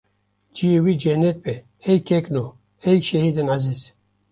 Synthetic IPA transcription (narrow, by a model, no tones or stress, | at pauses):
d͡ʒiwid͡ʒenet̪̚pe | hejkekno | hejkʃehid̪ɨnʕaziz